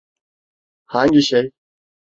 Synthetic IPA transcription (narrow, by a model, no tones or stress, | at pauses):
hãːŋɡiɕɐj